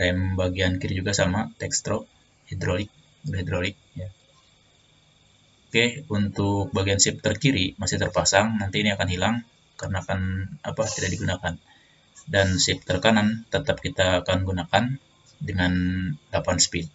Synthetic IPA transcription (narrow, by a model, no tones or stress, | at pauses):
ɾɛmbaɡiankiɾid͡ʒuɡasamat̪ɛkst̪ɾo | hidɾolɪk̚ | ɦid̪ɾolɪk̚ja | okehunt̪ʊk̚baɡiansɪp̚t̪ərkiɾimasɪht̪ərpasaŋnant̪iːniakanhilaŋ | karənaːkanapat̪idaʔ̚diɡunakan | dansɪp̚t̪ərkanant̪ət̪ap̚kit̪aːkanɡunakan | dəŋandapanspɪt̪̚